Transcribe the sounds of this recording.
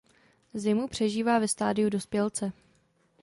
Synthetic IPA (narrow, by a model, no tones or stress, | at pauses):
zɪmupr̝̥ɛʒiːvaːvɛst̪aːdɪudo̞spjɛlt͡sɛ